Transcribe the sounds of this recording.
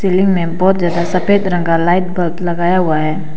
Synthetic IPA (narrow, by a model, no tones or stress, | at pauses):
selɪŋɡmẽbɔːt̪d͡ʒjaːd̪asəped̪ɾə̃ŋɡalaɪʈ̚bətləɡaːjaɦuaɦɛː